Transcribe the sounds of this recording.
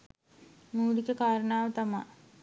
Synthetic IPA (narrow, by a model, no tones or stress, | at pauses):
muːɽikəkaːɾəɳaːʋət̪ama